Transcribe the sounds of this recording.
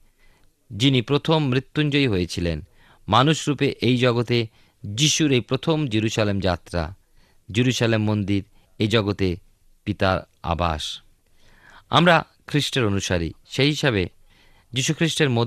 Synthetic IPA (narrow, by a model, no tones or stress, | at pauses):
d͡ʑinipɾot̪ʰomːɾit̪ːund͡ʑojɦojet͡ɕʰilen | manuʃɾupeʔejd͡ʑɔɡot̪e | d͡ʑiʃuɾejpɾot̪ʰomd͡ʑiɾuʃalemd͡ʑat̪ːɾa̰ | d͡ʑiɾuʃalemːond̪iɾ | ed͡ʑɔɡot̪e | pit̪aɾ | a̰ba̰ʃ | a̰mɾa | kʰɾiʃʈeɾonuʃaɾḭʃeɦiʃaβe | d͡ʑiʃukʰɾiʃʈeɾmo